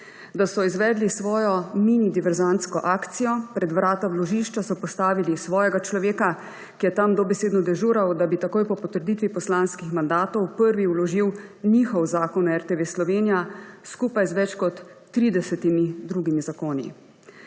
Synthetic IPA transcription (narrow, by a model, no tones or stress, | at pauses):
d̪asɔizʋɛːd̪lisʋɔːjɔminid̪iʋɛɾzant̪skɔʔaːkt̪sijɔpɾɛd̪ʋɾaːt̪awlɔʒiʃt͡ʃasɔpɔst̪aːʋilisʋɔːjɛɡat͡ʃlɔʋeːka | kijɛt̪amd̪ɔbɛseːd̪nɔd̪ɛʒuːɾawd̪abit̪akoːjpɔpɔt̪əɾd̪it̪ʋipɔslanskixmand̪aːt̪ɔwpəɾʋiwlɔʒiwniːxɔwzaːkɔnɛɾt̪eʋeːslɔʋeːnijaskuːpajzʋɛt͡ʃkɔt̪ː | ɾiːd̪ɛsɛt̪imid̪ɾuɡimizakoːnḭ